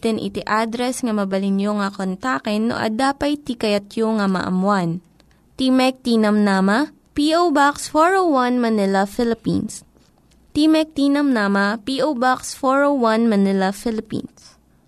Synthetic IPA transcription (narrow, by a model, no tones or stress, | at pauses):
t̪ɪnʔɪ̰t̪iʔad̪ɾɛsŋɐmɐbɐlɪnjoŋɐkont̪aːkɛnːo̰ʔɐ̰d̪aːpɐjt̪ikɐjɐt̪joŋɐmɐ̰ʔɐ̰mwan | t̪imɛk̚t̪iːnɐmnamɐ | piʔowbaksfoɹowwɐnmɐnɪlɐfɪlɪpḭns | t̪iːmɛk̚t̪iːnɐmnaːmɐpiʔowbaksfoɹowwɐnmɐnɪlɐfɪlɪpḭns